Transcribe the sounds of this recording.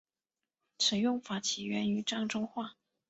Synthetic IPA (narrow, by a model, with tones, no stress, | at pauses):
ʂə˨˩jʊ˥˩ŋfa˧˥t͡ɕʰi˨˥ɥɛ˧˥ny˧˥ʈ͡ʂɑ˥˩ŋʈ͡ʂʊ˥ŋxwa˥˩